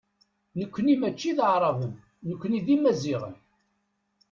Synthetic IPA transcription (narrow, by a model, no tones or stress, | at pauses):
nəkʷːənimæt͡ʃːiðʕɾˤɑvʊm | nəkʷːəniðimæziʁə̰n